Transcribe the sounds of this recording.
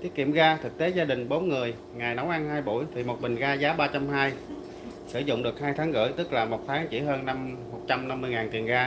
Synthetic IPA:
t̪i˦˥ət̚kḭ˧˨əmɣaː˧t̪ʰɨ˨˩k̚t̪e˨˦zaː˧ɗï˨˩ŋ̟ɓo˨˦nŋɨ˨˩əj | ŋaː˨˩jna˨˦wʔa˧nɦaː˧jɓṵ˧˩jt̪ʰi˨˩mo˨˩t̚ɓï˨˩ŋ̟ɣaː˧zaː˨˦ɓaː˧t͡ɕa˧mhaː˧j | sɨ̰˧˩zʊ̰˧˨ŋ͡mɗɨ˨˩ək̚haː˧jt̪ʰaː˨˦ŋɣɨ̰˧˥jt̪ɨ˦˥k̚laː˨˩mo˨˩t̚t̪ʰaː˨˦ŋt͡ɕḭ˧˥ɦəː˧nna˧mːo˨˩t̚t͡ɕa˧mna˧mːɨ˧ŋaː˨˩nt̪i˨˩ənɣaː˧

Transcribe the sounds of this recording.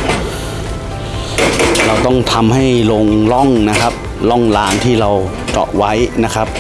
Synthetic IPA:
ɾa˧wt̪ɔ˥˩ŋt̪ʰa˧mha˥˩jlo˧ŋlɔ˥˩ŋna˦˥kʰa˦˥p̚ | lɔ˥˩ŋlaː˧ŋt̪ʰiː˥˩ɾa˧w | t͡ɕɔ̰˨˩ʔwa˦˥jna˦˥kʰa˦˥p̚

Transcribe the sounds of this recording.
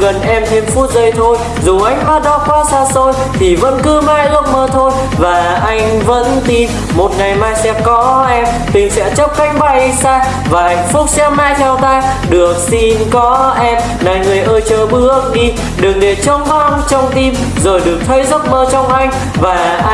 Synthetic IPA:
ɣə˨˩nʔɛ˧mt̪ʰe˧mfu˦˥t̚zə˧jt̪ʰo˧j | zu˨˩ʔa˧jŋ̟maː˨˦˥t̚ɗɔ˨˦kɔ˨˦saː˧so˧j | t̪ʰi˨˩və̰˧˥nkɨ˨˧˦ma̰ː˧˨jʔɨ˦˥əp̚məː˧t̪ʰo˧j | vaː˨˩ | ʔa˧jŋ̟və̰˧˥nt̪i˧m | mo˨˩t̚ŋa˨˩jmaː˧jsɛ̰˧˥kɔ˨˦ʔɛ˧m | t̪ï˨˩ŋ̟sɛ̰˧˥t͡ɕə˦˥p̚ka˧˥jŋ̟ɓa˧˩jsaː˧ | vaː˨˩ha˧˩jŋ̟fʊ˦˥k͡p̚sɛ˧maː˧˨jt̪ʰɛ˧wt̪aː˧jɗɨ˨˩ək̚si˧nkɔ˨˦ʔɛ˧m | na˨˩jŋɨ˨˩əjʔəː˧jt͡ɕəː˧˩ɓɨ˧˦ə˧ŋ̚ɗi˧ | ɗɨ˨˩əŋ̚ɗe˨˩t͡ɕə˧wŋ͡mva˧nt͡ɕɔ˧wŋ͡mt̪i˧m | zo˨˩jɗɨ˨˩ək̚t̪ʰə˧˦jzə˦˥p̚məː˧t͡ɕɔ˧wŋ͡mʔa˧jŋ̟ | vaː˨˩ʔ

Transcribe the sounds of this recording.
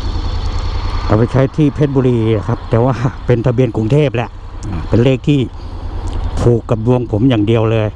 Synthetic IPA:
kaː˧˩pa˧˩jt͡ɕʰa˧˩jt̪ʰiː˧˩pʰeː˧˩t̪̚buː˧liː˧la˧˩kʰa˦˥p̚t̪ɛː˨˧˩waː˧˩pe˧nt̪ʰa˧bi˧ənku˧ŋt̪ʰeː˥˩p̚lɛ˧˥ʔ | aː˧˩pe˧˨nleː˥˧˩k̚t̪ʰiː˧˩ | p̪ʰuː˨˩kːa˧mlu˧əŋpʰo˨˩˦mjaː˨˩ŋdi˨˧əwlɤː˧j

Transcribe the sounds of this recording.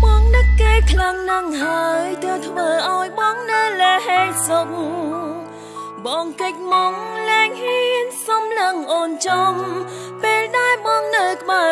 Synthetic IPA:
ɓɑː˧ŋnɨ˧kkeː˧kʰla˧ŋnɨ˧ŋɦa˧əjt̪ə˧wt̪ʰʋəːʔa˧ɔjɓɑ˧ŋnɨ˧lɛː˧ɦe˧jso˧k̚ | ɓɑː˧ŋkə˧c̚mo˧ŋlɛː˧ŋhi˧ənsɑ˧mlə˧ŋʔoː˧nt͡ɕɔ˧m | peː˧lɗa˧ɛlɓɑː˧ŋnə˧wk̪ʰɓə˧˩

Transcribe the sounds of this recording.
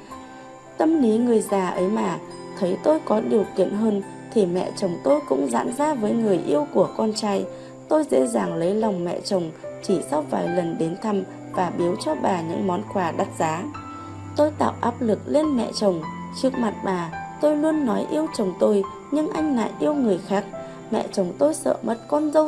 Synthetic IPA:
t̪ə˧mli˨˦ŋɨ˨˩əjzaː˨˩ʔə˨˦jmaː˨˩ | t̪ʰə˨˦jt̪o˧jkɔ˨˦ɗi˨˩əwkḭ˧˨ənɦəː˧n | t̪ʰi˨˩mɛ̰˧˨t͡ɕə˨˩wŋ͡mt̪o˧jkʊ̰˧˥ŋ͡mza̰ː˧˥nzaː˧˥vəː˨˦jŋɨ˨˩əjʔi˧əwku˧˩əkɔ˧nt͡ɕaː˧j | t̪o˧jzḛ˧˥zaː˨˩ŋlə˨˦jla˨˩wŋ͡mmɛ̰˧˨t͡ɕə˨˩wŋ͡mt͡ɕi˧˩sa˧wvaː˨˩jlə˨˩nɗe˨˦nt̪ʰa˧m | vaː˨˩ɓi˨˦əwt͡ɕɔ˧ɓaː˨˩ɲɨ̰˧˥ŋmɔ˨˦nkwaː˨˩ɗa˨˦˥t̚zaː˨˦ | t̪o˧jt̪a̰ː˧˨wʔaː˦˥p̚lɨ˨˩k̚le˧nmɛ̰˧˨t͡ɕə˨˩wŋ͡m | t͡ɕɨ˦˥ək̚ma˨˩t̚ɓaː˨˩t̪o˧jlu˧ənːɔ˨˦jʔi˧əwt͡ɕə˨˩wŋ͡mt̪o˧j | ɲɨ˧ŋʔa˧jŋ̟la̰ː˧˨jʔi˧əwŋɨ˨˩əjxaː˦˥k̚ | mɛ̰˧˨t͡ɕə˨˩wŋ͡mt̪o˧jsə̰ː˧˨mə˦˥t̚kɔ˧nzə˧w

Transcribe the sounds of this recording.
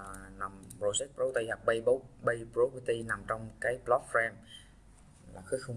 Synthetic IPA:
na˨˩mpɹo˧zɛ˦˥t̚pɾo˨˦˥wt̪ə˧jha˨˩p̚ɓə˧jɓə˨˦wɓə˧jpɹo˨˦ki˧t̪i˧na˨˩mt͡ɕɔ˧wŋ͡mkaː˨˦jplɔ˦˥t̚fɹɛ˧m | la̰ː˨˩xɨ˨˦˥xə˧ŋ͡m

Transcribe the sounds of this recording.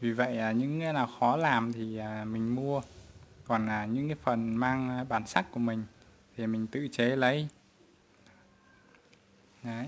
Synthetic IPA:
vi˨˩və̰˧˨jʔaː˨˩ɲɨ̰˧˥ŋkːnaː˨˩wxɔ˨˦laː˨˩mt̪ʰi˨˩ʔaː˨˩mï˨˩ŋ̟mu˧əkɔ˨˩nʔaː˨˩ɲɨ̰˧˥ŋkaː˨˦jfə˨˩nmaː˧ŋ˨ɓaː˨˦nsa˦˥k̚ku˧˩əmï˨˩ŋ̟ | t̪ʰi˨˩mï˨˩ŋ̟t̪ɨ̰˧˨t͡ɕe˨˦lə˨˦j

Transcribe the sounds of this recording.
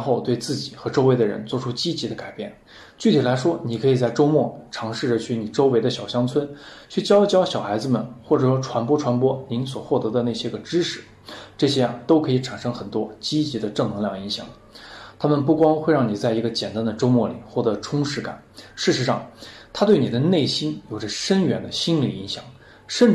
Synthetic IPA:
ɻnxo˥˧ʊt̪we˥˧ɪt͡sɹ̩˥˩t͡ɕi˨˩xɤ˧˥ʈ͡ʂo˥ʊwe˥˩ɪd̪ə˩ɻə̰˧˥nt͡swɔ˥˩ʈ͡ʂʰu˥t͡ɕi˥t͡ɕi˧˥d̪ə˧ka˨˩ɪpjɛ˥˩n | t͡ɕy˥˩t̪ʰi˨˩la˧˥ɪʂwɔ˥ni˨˩kʰɤ˧˥i˨˩t͡sa˥˩ɪʈ͡ʂo˥ʊmwɔ˥˩ʈ͡ʂʰɑ˧˥ŋʂɻ̩˥˩ʈ͡ʂə˩t͡ɕʰy˥˩ni˨˩ʈ͡ʂo˥ʊwe˧˥ɪd̪ə˧ɕjɑ˨˩ʊɕjɑ˥ŋt͡sʰwə˥nt͡ɕʰy˥˩t͡ɕjɑ˥ʊt͡ɕjɑ˥ʊɕjɑ˨˩ʊxa˧˥ɪd͡zɹ̩˧˨mə̰˩nxwɔ˥˩ʈ͡ʂɤ˨˩ʂwɔ˥ʈ͡ʂʰwa˧˥npwɔ˥ʈ͡ʂʰwa˧˥npwɔ˥ni˧˥ns̬wɔ˨˩xwɔ˥˩t̪ɤ˧˥d̪ə˧ne˥˩ɪɕjɛ˥ɡə˧ʈ͡ʂɻ̩˥ʂɻ̩˥˩˦ | ʈ͡ʂɤ˥˩ɕjɛ˥ɐ˨˩t̪o˥ʊkʰɤ˧˥i˧˩ʈ͡ʂʰa˨˩nʂɤ˥ŋxə˨˩nt̪wɔ˥t͡ɕi˥t͡ɕi˧˥d̪ə˧ʈ͡ʂɤ˥˩ŋnɤ˧˥ŋljɑ˥˩ŋi˧˥ŋɕjɑ̰˨˩˦ŋ | t̪ʰa˥mə˨np̬u˥˩kwɑ˥ŋxwe˥˧ɪɻɑ˥˩ŋni˨˩t͡sa˥˩ɪi˧˥ɡə˧t͡ɕjɛ˨˩nt̪a˥nd̪ə˨ʈ͡ʂo˥ʊmwɔ˥˩lḭ˨˩xwɔ˥˩t̪ɤ˧˥ʈ͡ʂʰʊ˥ŋʂɻ̩˧˥ka̰˨˩˦nʂɻ̩˥˩ʂɻ̩˧˥ʂɑ̰˥˩ŋt̪ʰa˥t̪we˥˩ɪni˨˩d̪ə˦ne˥˩ɪɕi˥njo˨˩ʊʈ͡ʂə˦ʂə˥nɥɛ˨˩nd̪ə˧ɕi˥nli˨˩i˧˥ŋɕjɑ̰˨˩˦ŋ | ʂə˥˩n

